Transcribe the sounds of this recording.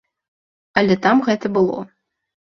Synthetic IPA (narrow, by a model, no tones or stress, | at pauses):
ɐlʲɛt̪amɣɛt̪ɐbɨlˠɔ̰